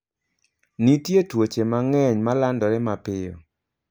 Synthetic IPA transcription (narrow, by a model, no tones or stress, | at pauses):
nitjetwot͡ʃemaŋɛɲmalandɔɾɛmapɪjɔ̰